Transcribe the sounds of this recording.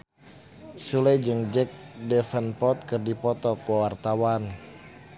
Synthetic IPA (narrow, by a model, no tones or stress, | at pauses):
sulɛd͡ʒəŋd͡ʒɛk̚dɛfənpɔt̪̚kɨrdipɔt̪ɔkwawart̪awan